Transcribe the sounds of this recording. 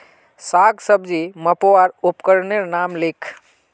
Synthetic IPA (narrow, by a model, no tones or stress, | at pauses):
saːɡsəbd͡ʒiməpoʋaɾupkəɾneɾnaːmlɪkʰ